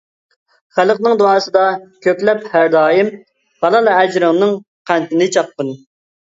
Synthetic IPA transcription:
χælˠqnɨŋd̪oɑːsɨd̪ɑkʲʰøkʲlɛp̚hæɾd̪ɑːjim | hɑlˠɑlˠæd͡ʒɾəŋnɨŋ | qʰænt̪ʰɪnɪt͡ʃʰɑqːən

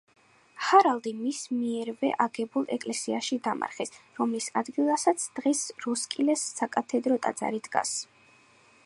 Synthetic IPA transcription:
haɾalˠd̪imismiɛɾvɛʔaɡɛbulˠɛkʼlɛsiaʃid̪ama̰ɾχɛsɾɔmlisad̪ɡilˠasat̪sʰd̪̥ʁɛsɾɔskʼilɛsːakʼat̪ʰɛd̪ɾɔt̪ʼa̰d̪z̥a̰ɾid̪ɡa̰s

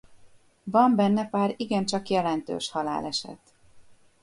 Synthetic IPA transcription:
vɒmbɛnːɛpaːɾiɡɛnt͡ʃɒkjɛlɛnt̪ø̰ːʃhɒla̰ːlɛʃɛ̰t̪

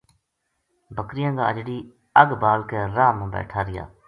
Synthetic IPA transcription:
bəkɾɪjãːɡaːəd͡ʒɖiː | əɡbaːlkeːɾaːmãːbɛ̰ːʈʰaːɾɪja̰ː

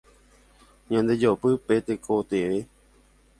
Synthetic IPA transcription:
ɲãnd̪e̞d͡ʒopɨpet̪ekʰot̪eʋe

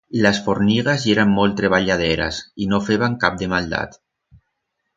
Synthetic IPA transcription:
lasfoɾniɣazeɾamːolˠt̪ɾeβ̞aʎað̞eɾa̰sinofeβaŋkap̚d̪emalˠd̪a̰t̪

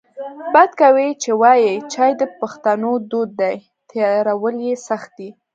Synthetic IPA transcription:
bad̪kawit͡ʃewɑjet͡ʃɑjd̪əpaxt̪anod̪od̪̚ːaj | t̪ʰeɾawəljesaxt̪̚d̪i

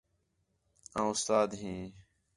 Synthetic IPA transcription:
ãːʊst̪aːd̪ɦĩː

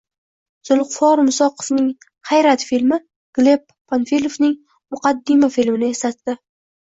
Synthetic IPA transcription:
z̥ʊlˠqfɒɾmʊsɒqʰɨ̥fnɪŋ | hajɾat̪filmɪ | ɡ̥le̞pʰːanfilʲofnɪŋ | mʊqɑd̪ːɪmafilmɪnɪe̞slat̪ːɪ

